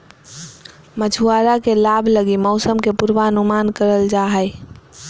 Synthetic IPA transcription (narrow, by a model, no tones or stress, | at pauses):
məd͡ʒʱʰuaɾakelabʱləɡimɔʊsəmkepuɾʋaənumankəɾəld͡ʒaɦəj